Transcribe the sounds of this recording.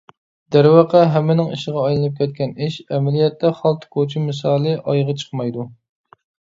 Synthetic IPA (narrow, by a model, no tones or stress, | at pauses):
d̪̥æɾwɑqʰæɦɛmːɪnɪŋiʃɪʁɑɑjlˠɨnɨp̚kʲʰɛt̪̚kʲɛniʃɛmɛlijɛt̪ʰːɛχɑlˠt̪ʰkʰot͡ʃʰimːɨs̬ɑːlˠɨʔɑjʁɑt͡ʃʰə̥χmɑjd̪u